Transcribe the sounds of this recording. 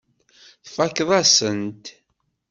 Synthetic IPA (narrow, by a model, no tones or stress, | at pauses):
θfækːðˤæsənt̪